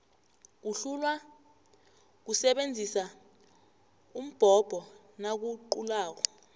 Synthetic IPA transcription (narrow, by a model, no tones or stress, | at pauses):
k̬uɬulwa | k̬usɛɓend͡zʱisa | um̩b̥ʱɔb̥ʱɔ | nak̬uǃulaːk̬ɔ